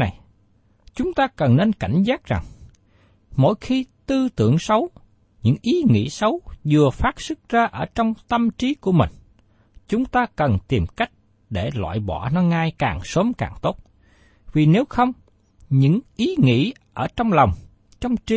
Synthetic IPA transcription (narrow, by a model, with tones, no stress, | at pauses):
a˨˩j | t͡ɕʊ˨˦ŋ͡mt̪aː˧kə˨˩nːe˧nka˧˩jŋ̟zaː˦˥k̚za˨˩ŋ | mo̰˧˥jxi˧t̪ɨ˧t̪ɨ̰˧˩əŋsə˨˦w | ɲɨ̰˧˥ŋʔi˨˦ŋḭ˧˥sə˨˦wzɨ˨˩əfaː˦˥t̚sɨ˦˥k̚zaː˧ʔəː˧˩t͡ɕɔ˧wŋ͡mt̪ə˧mt͡ɕi˨˦ku˧˩əmï˨˩ŋ̟ | t͡ɕʊ˨˦ŋ͡mt̪aː˧kə˨˩nt̪i˨˩mka˦˥jk̟̚ | ɗe˧˩lwa̰ː˧˨jɓɔ̰˧˩nɔ˦ŋaː˧jka̰ː˨˩ŋso˨˦mkaː˨˩ŋt̪o˦˥t̚ | vi˨˩ne˨˦wxə˧wŋ͡m | ɲɨ̰˧˥ŋʔi˨˦ŋḭ˧˥ | ʔəː˧˩t͡ɕɔ˧wŋ͡mlɔ˨˩wŋ͡m | t͡ɕɔ˧wŋ͡mt͡ɕi˦